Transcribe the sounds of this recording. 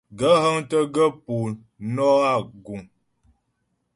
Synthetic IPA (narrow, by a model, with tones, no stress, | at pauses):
ɡə˦ɦə˦ŋtə˦ɡə˦pu˨ | nɔ˦a˦˨ɡu˨ŋ